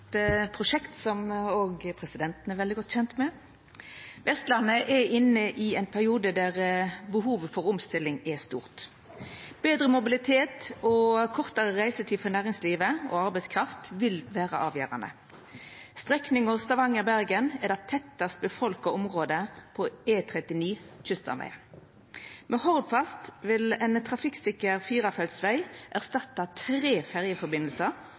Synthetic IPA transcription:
pʰɾʊʂɛkt̪sɔmoːɡpʰʁɛsɪd̪ɛnt̪n̩ɛʋɛld̪ɪɡɔt̪ːçɛnt̪mɛ | ʋɛst̪lɑnːəʔɛʔɪnːəʔɪɛɪnpʰæʁɪuːd̪əd̪æʁbəɦuːʋfɔʁʊmst̪ɪlːɪŋɛst̪uːʁt̪ | b̥eːd̪ɾəmʊbɪlɪt̪ʰeːt̪ɔkʰɔʁt̪ɑʁəʁæɪsət̪ʰiːfɔʁnæːʁɪŋsliːʋəɔ̰ɑɾbæɪskʰʁɑft̪ʋɪlʋæːʁə̰ʔɑːʋjø̰ːʁɑ̰nə̰ | st̪ʁɛknɪŋɔʋst̪ɑʋɑŋːəbæɾɡənɛd̪ɛt̪ʰɛt̪ːɑst̪̚bəfɔlkəɔmʁoːd̪əpʰɔeːt̪ʰʁɛt̪ɪniːçʏst̪ɑ̰mæ̰ɪ | mʔɛhɔʁd̪fɑst̪ʋɪlɛnt̪ʰʁɑfɪksɪkəʁfiːʁɑfɛlsʋæɪʔæʁst̪ɑt̪ːɑt̪ʰʁeːfæʁjəfɔɾbɪnəlsəʁ

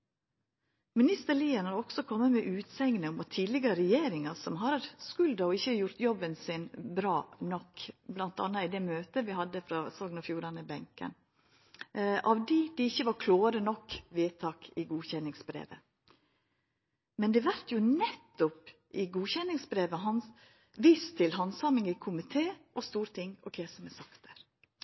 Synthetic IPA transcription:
mɪnɪst̪əɭiːənɑɾɔɡ̥sɔkʰɔmːəmɛʔʉːt̪sɛŋnəʊmɑt̪ʰːiːd̪lɪɡəɾəɾɛjeːɾɪŋɑsɔmɦɑɾɾskʉld̪ɑɔɪçːəjʊɾt̪jɔbːənsɪnbɾɑːnɔkblɑnt̪ɑ̰nːəɪd̪ɛmøːt̪əʋɪhɑd̪ːəfɾɑsɔɡnɑfjuːɾɑnəbɛŋkə̰n | ʔɑʋd̪iːd̪̥ɪɪçːəʋɑɾkʰloːəɾənɔkːʋeːt̪ʰɑːkɪɡuːçɛnːɪŋsbɾḛːʋə̰ | mɛnd̪ɛʋæɾt̪jʊnɛt̪ːʊpʔɪɡuːçɛnːɪŋsbɾeːʋəɦɑn | ʋiːst̪ʰɪlɦɑnsɑmɪŋɪkʰʊmɪt̪ʰeːʔɔst̪uːɾt̪ʰɪŋːɔkʰeːsəmɛsɑkt̪əɾ

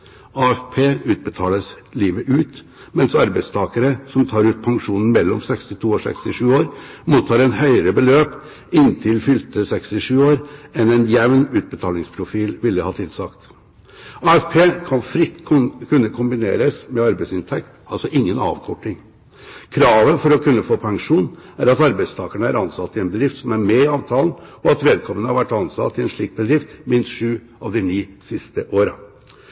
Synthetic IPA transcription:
ɑːɛfpʰeːʉːt̪̚bət̪ʰɑːləs | liːʋəʔʉːt̪ | mɛnsɑɾbæɪt̪st̪ʰɑːkəɾəsɔmt̪ʰɑːɾʉːt̪̚pʰɑŋʂuːnn̩mɛlːɔ̰msɛkst̪ɪt̪ʰuːɔsɛ̰kst̪ɪʂʉːoːɾmuːt̪ʰːɑːɾɛnhœʏəɾəbəløːp | ɪnt̪ʰɪlfʏlt̪əsɛkst̪ɪʂʉːoːɾɛnɛnjɛʋnʉːt̪̚bət̪ʰɑːlɪŋspʰɾʊfiːlʋɪlːəhɑːt̪ʰɪlsɑkt̪ | ɑːɛfpʰeːkʰɑnfɾɪt̪ːkʰʉnːəkʰʊmbɪnḛːɾəsmɛɑɾbæɪsɪnt̪ʰɛk̚t̪ɑlsɔʔɪŋːənɑ̰ːʋkʰɔʈːɪŋ | kʰɾɑːʋəfɔɾɔkʰʉnːəfoːpʰɑŋʂuːnæɾɑt̪ɑɾbæɪst̪ʰɑːkəɳəæɾɑnsɑt̪ːɪɛnbəd̪ɾɪft̪sɔmæɾmɛɪɑːʋt̪ʰɑːln̩ɔɑt̪ʋeːd̪̚kʰɔmːənəhɑɾʋæʈːɑnsɑ̰t̪ːɪɛnʂɭiːk̚bəd̪ɾɪft̪mɪnst̪ʂʉː | ɑʋd̪ɛniːsɪst̪əʔoːɾə

